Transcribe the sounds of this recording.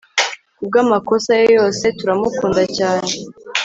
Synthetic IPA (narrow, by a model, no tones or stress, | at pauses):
kub̚ɡaːmako̞sajojo̞ːse̞tuɾamukuːndacaːɲe